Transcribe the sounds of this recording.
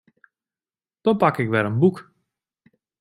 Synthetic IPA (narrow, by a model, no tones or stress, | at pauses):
d̥ɔnpakɪkʋɛɾənbuk